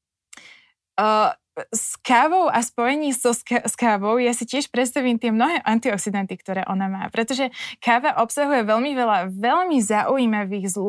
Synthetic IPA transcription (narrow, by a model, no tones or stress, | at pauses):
skaːʋɔʊʔaspɔjɛɲiːsɔskaʋɔʊjasicɪɛʃpɾɛt̪st̪aʋiːmt̪ɪɛmnɔɦɛːʔant̪iɔksid̪ant̪ikt̪ɔɾɛːʔɔnama̰ːpɾɛt̪ɔʒɛkaːʋaʔɔpsaɦujɛʋɛʎmiʋɛlaʋɛʎmizaʔujiːmaʋiːɣzlu